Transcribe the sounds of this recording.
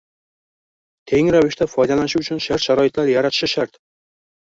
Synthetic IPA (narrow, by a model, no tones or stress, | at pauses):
t̪ʰe̞ŋɾavɪʃt̪afɒjd̪alanɪʃɪʊt͡ʃʰʊnʃaɾt̪ʃaɾɒjɪt̪laɾjaɾat̪ʰɪ̥ʃɪʃaɾt̪